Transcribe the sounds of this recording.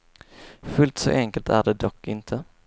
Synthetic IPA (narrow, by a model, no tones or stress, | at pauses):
fɵlt̪sɔ̰ʔɛŋkəlt̪ʰæ̰ɖɛd̪ɔkʰːɪnt̪ʰə